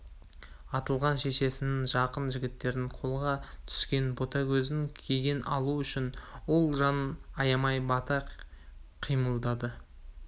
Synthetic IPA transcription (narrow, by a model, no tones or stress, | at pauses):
ɑt̪əlˠʁɑnʃe̞ʃe̞sɪnɪŋʒɑqənʒɪɡʲɪt̪ːe̞ɾɪŋqʰo̞lˠʁɑt̪ʰʏ̥skʲe̞nbo̞t̪ɑkʲʰɵzɪŋkʲʰeɡʲe̞nʔɑ̰lˠuʏʃɪnwo̞lˠʒɑnɑjɑmɑjbɑt̪ɑ | qʰijməlˠd̪ɑd̪ə